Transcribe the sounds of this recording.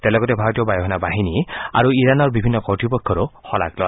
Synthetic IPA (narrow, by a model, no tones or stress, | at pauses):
t̪ɛlɔɡɔtɛbʱaɹɔtijɔbajɔɦɔnabaɦinia̰ɹuiɹanɔɹbibʱinːɔkɔɹtɹipɔkʰːɔɹoxɔla̰klɔa̰